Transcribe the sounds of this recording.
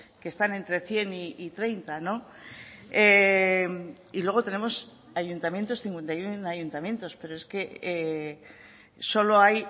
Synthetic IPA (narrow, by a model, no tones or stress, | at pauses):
kest̪ane̞nt̪ɾe̞θje̞niit̪ɾe̞jnt̪ano̞ | em | ilweɣ̞o̞t̪e̞ne̞mo̞s | ajunt̪amje̞nt̪o̞sθiŋkwe̞nt̪ajunajunt̪amjẽ̞nt̪o̞spe̞ɾoe̞ske̞e | so̞lo̞aj